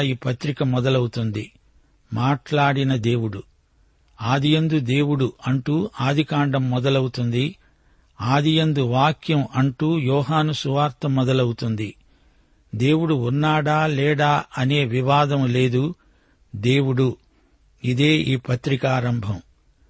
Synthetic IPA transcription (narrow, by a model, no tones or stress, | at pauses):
iːpɐt̪ɾikɐmɔd̪ɐlɐwut̪und̪i | maːʈlaːɽinɐd̪e̞ːwuɽu | aːd̪ijɐnd̪ud̪e̞ːwuɽuɐɳʈuːaːd̪ʱikaːɳɖɐmːɔd̪ɐlɐwut̪und̪i | aːd̪ijɐnd̪uʋaːkʰjɐmɐɳʈuːjɔːɦaːnusuʋaːɾt̪ɐmɔd̪ɐlɐwut̪und̪i | d̪e̞ːwuɽuunːaːɽaːlɛːɽaːɐne̞ːʋiʋaːd̪ɐmle̞ːd̪u | d̪e̞ːwuɽu | id̪e̞ːʔiːpɐt̪ɾikaːɾɐmbʱɐm